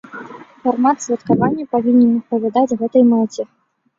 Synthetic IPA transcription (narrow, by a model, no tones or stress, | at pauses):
farmat̪svʲɐt̪kavanʲːɛpavʲinʲɛnɐspɐvʲad̪ad͡zʲɣɛt̪ɐjmɛt͡sʲɛ